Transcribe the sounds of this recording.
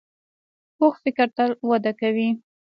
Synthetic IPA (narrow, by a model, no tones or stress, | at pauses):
oxfɪkɾt̪alwad̪akawi